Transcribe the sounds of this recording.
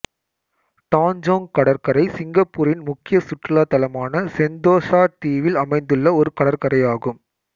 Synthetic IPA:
ʈaːnd͡ʒoːŋkɐɽɐɾkɐɾɐɪsɪŋɡɐpːuːɾɪnmʊkːɪjɐsʊʈːɪlaːt̪ɐlɐmaːnɐsɛnd̪oːsaːʈiːʋɪlɐmɐɪnd̪ɯɭːɐɔɾɯkɐɽɐɾkɐɾɐɪjaːɣɯm

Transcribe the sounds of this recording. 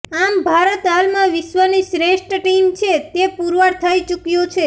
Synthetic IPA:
ambʱaɾət̪almãʋɪʃʋənisɾeʃʈəʈimt͡ʃʰet̪epuɾʋəɽt̪ʰəit͡ʃukjot͡ʃʰe

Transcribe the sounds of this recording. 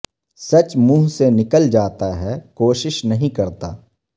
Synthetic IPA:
sɐt͡ʃmũːɦsenɪkəld͡ʒaːt̪aɦɛkoːʃɪʃnɐɦĩkɐɾt̪a̰ː

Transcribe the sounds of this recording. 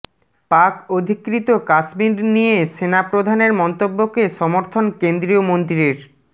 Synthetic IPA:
pakod̪ʱikɾit̪okaʃmiɾnijeʃenapɾod̪ʱaneɾmɔnt̪obːokeʃɔmoɾt̪ʰonkend̪ɾiomont̪ɾiɾeɾ

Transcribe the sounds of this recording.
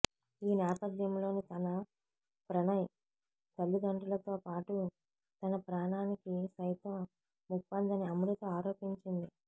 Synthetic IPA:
iːnaːpɐd̪jɐmlo̞ːnit̪ɐnɐ | pɾɐɳɐj | t̪ɐlːuɡɐɳʈɐlɐt̪o̞ːpaːʈu | t̪ɐnɐpɾaːɳaːnikisɐjt̪ɐm | mukpɐnd̪ɐniɐmuɽɐt̪oːaːɾo̞ːpiɲt͡ʃind̪i

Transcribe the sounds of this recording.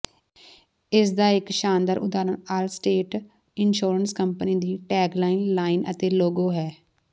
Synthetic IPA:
ɪsd̪aːɪkʃaːnd̪əɾʔʊ̰d̪aːɾənaːlsʈeːʈ | ɪnʃuːɾənskəmpniːd̪iːʈɛːklaːinlaːɪnə̰t̪eːloːɡoːɦɛː

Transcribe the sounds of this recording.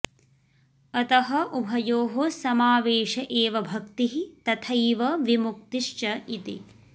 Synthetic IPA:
ɐt̪ɐɦɐʔubʱɐjoːɦosɐmaːʋeːʃɐʔeːʋɐbʱɐkt̪iɦit̪ɐt̪ʰɐjʋɐʋimukt̪iʃt͡ʃɐit̪ḭ

